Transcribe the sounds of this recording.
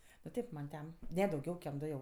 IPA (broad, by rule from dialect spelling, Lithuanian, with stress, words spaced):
nʊ ˈtʲeːp mɐn ˈtʲɛn ˈnʲɛ dɐʊˈɡʲɛʊ kʲɛm ˈdʊ jɛʊ